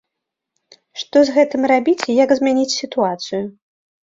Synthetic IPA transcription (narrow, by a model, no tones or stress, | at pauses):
ʂt̪ɔzɣɛt̪ɨmrabʲit͡sʲjaɡzmʲɛnʲit͡sʲsʲit̪uat̪sɨju